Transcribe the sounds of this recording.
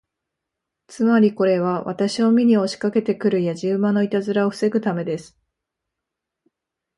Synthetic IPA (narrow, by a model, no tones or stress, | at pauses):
t͡sɨmaɾʲiko̞ɾe̞β̞aβa̰t̪aɕio̞mʲiɲ̟io̞ɕi̥kake̞t̪e̞kɯ̟ɾɯ̟jaʑɨːmano̞it̪azɨɾao̞ɸɯ̥se̞ɡɯ̟t̪ame̞d̪e̞sɨ̥